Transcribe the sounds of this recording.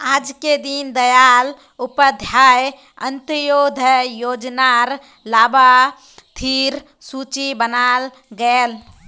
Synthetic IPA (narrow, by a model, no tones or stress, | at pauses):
aːd͡ʒked̪ind̪əjal | ʊpəd̪ʱjaːj | ə̰̃nt̪əjoːd̪ʱəjoːd͡ʒnaɾ | laːba | t̪ʰiɾ | suːt͡ʃibənal | ɡəel